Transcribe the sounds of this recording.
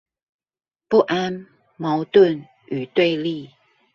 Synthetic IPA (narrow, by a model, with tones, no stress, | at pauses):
pu˥˨ʔa˦n | ma˨˦ʊt̪ə˥˨n | y˨˩t̪we˥˨ɪli˥˨